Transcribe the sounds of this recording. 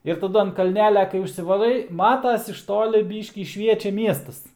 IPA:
ɪr tɐˈdʊ ɐn kɐlʲˈnʲæːlʲɛ kɐɪ ʊʃʲsʲɪʋɐˈrɐɪ ˈmɑːtɐs ɪʃ ˈtoːlʲɪ ˈbʲiːʃʲkʲiː ˈʃʲʋʲiɛt͡ʃʲɛ ˈmʲiɛstɐs

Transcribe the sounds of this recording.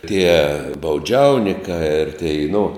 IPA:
tʲiɛ bɐʊˈd͡ʒʲɛʊnʲɪkɑː ɪr tʲɛɪ nʊ

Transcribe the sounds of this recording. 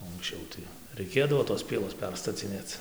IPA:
oː ɐŋksʲˈt͡ʃʲɛʊ tɐɪ rɐɪˈkʲeːdɐʋoː toːs ˈpʲiɛlˠoːs ˈpʲɛrstɐt͡sʲɪnʲeːt͡s

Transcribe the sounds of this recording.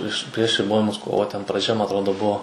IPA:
pʲrʲɪʃ pʲrʲiɛʃ rʲɪˈboːjɪmʊs ˈkoːʋoː tʲɛn prɐˈd͡ʒʲɛ mɐ ɐtˈroːdoː ˈbuɔ

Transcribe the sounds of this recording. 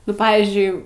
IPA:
nʊ ˈpɑːʋʲiːzʲd͡ʒʲʊɪ

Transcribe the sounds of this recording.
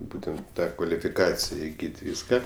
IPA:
ˈbuːtʲɛnt ˈtɑː kʋɐlʲɪfʲɪˈkɑːt͡sʲɪjɛ ɪˈɡʲiːt ˈʋʲiːskɐ

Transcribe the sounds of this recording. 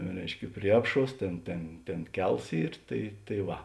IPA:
ˈrʲɛɪʃʲkʲɛ ˈpʲrʲiɛ ɐpˌʃuɔs ˈtʲeːn ˈtʲeːn ˈtʲeːn ˈkʲɛlˠs ˈiːr ˈtɐɪ tɐɪ ˈʋɐ

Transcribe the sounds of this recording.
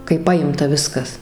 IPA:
kɐɪ ˈpɑːjɪmtɐ ˈʋʲɪskɐs

